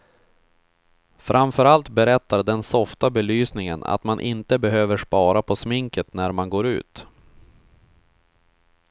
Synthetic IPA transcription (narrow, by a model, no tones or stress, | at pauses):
fɾʔamfœɾalt̪bɛɾɛt̪ːad̪ɛnsɔft̪abɛlyːsnɪŋəna̰t̪manʔɪnt̪əbɛɦøːvəʂpɑːɾapʰɔsmɪŋkət̪næɾmanɡoːɾʉ̟̰ːt̪